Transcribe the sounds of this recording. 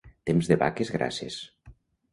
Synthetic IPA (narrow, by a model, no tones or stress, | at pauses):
t̪emzðeβa̰kezɣɾa̰sḛs